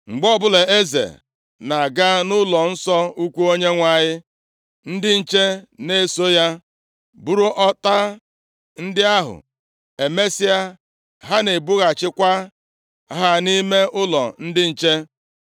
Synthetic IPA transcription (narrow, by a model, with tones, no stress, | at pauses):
ŋ͡m̩˨ɡ͡bɔ˦bʊ˦le˨e˦zḛ˨ | na˨ɡa˦nʊ˦lɔ˨n̩˦sɔ˦u˦kʷu˦o˦ɲe˦ŋʷa˨ɲɪ˦ | n̩˦dɪ˦n̩˦˨t͡ʃe˦ne˦so˦ja˦ | bu˦ɾu˦ʔɔ˦ta˦ | n̩˦dɪ˦a˦ɦʊ̰˨ | e˨me˦sɪ˦a˦ | ɦa˦ne˨bu˦ɣa˨t͡ʃɪ˦kʷa˦ | ɦa˦ni˦me˦ʔʊ˦lɔ̰˨n̩˦dɪ˦n̩˨t͡ʃe˦